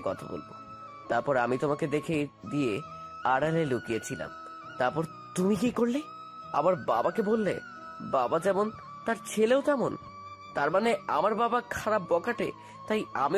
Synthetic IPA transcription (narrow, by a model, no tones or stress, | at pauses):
kɔ̰t̪ʰa̰bo̰lbo̰ | t̪aɾpɔɾeamit̪omaked̪ekʰed̪ije | aɽalelukijet͡ɕʰila̰m | t̪aɾpɔɾ | t̪umikikoɾle | a̰maɾbabakebolːḛ | babad͡ʑɛmon | t̪aɾt͡ɕʰeleot̪ɛmon | t̪aɾmanea̰maɾbabakʰaɾapːɔkaʈḛ | t̪ajame